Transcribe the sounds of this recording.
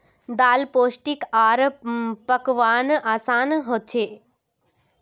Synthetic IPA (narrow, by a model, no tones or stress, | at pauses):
d̪aːlpoːsʈikaːɾpəkʋaːnaːsaːnɦot̪̚t͡ʃʰeː